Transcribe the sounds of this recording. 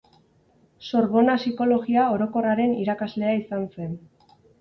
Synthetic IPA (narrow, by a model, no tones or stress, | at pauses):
so̞ɾβo̞nasiko̞lo̞ɣiao̞ɾo̞ko̞raɾe̞niɾakazle̞aisanse̞n